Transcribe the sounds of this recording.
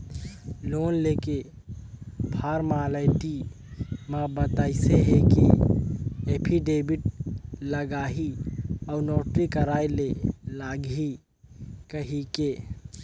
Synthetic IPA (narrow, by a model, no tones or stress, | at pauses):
loːnleːke | bʱaːɾmaːlaɪʈi | mãːbət̪aːiseɦeke | eːpʰiɖeːbɪʈləɡaːɦiɔːɾnoːʈɾikəɾaːilelaːɡi | kəɦike